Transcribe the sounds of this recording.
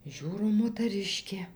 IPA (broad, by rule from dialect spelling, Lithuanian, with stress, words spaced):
ˈʒʲuːroː moːtɐˈrʲɪʃʲkʲeː